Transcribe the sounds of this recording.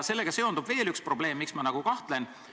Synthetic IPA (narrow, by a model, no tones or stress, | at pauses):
se̞lːe̞ɡ̥ɑse̞o̞nd̪ub̥ve̞ːlykspro̞ble̞ːmːiksmɑnɑɡ̥ukɑht̪le̞n